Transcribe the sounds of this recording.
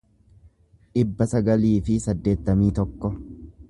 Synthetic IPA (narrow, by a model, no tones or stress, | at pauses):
ᶑɪbːɐsɐɡɐliːfɪsɐd̪ːe̞ːt̪ːɐmiːt̪ɔkːɔ